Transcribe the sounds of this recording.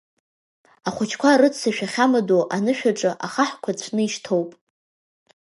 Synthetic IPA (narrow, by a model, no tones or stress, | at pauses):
aχʷʊt͡ʃʰkʷʰarɨt͡sʰaʃᶣaχʲamadoʔanɨʃᶣaʈ͡ʂʼɨʔaχaħkʷʰat͡ɕʷʰnɨiʃtʰowpʼ